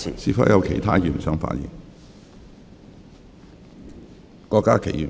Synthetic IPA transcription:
siː˧˥fɐ̰˧˥jɐ˧wkʰe˨˩jt̪ʰaː˥jyː˨˩nsœː˥ŋfa̰ː˧˥t̚jḭ˨˩ŋ | kɔː˧kːaː˥kʰe˨˩jy˨˩

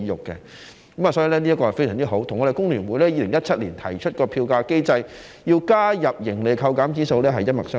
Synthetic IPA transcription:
jʊ˨kːɛ̰˧ | kɐ˨˦ma˨sɔː˨˥jiː˨˧lɛː˥liː˥ɐ˥kɔ˧ɐ˨˩fe˥jsœː˨˩ŋt͡si˥ɦo˨˥wt̪ʰʊ˨˩ŋɔ˨˧ɾe˨˩jkʊ˥ŋlyː˨˩nwuː˨˧jlɛː˥jiː˧lɪ˨˩ŋjɐ˥t̚t͡ʃʰɐ˥t̚liː˨˩nt̪ʰɐ˨˩jt͡ʃʰɵ˥t̚kɔː˧pʰiː˧wkaː˧ke˥jt͡sɐ˧j | jiː˧wkaː˥jɐ˨p̚jɪ˨˩ŋle˨˩jkʰɐ˧wkaː˨˥mt͡siː˥so˧wlɛː˥ɦɐ˨jːɐ˥t̚mɐ˨ksœː˥

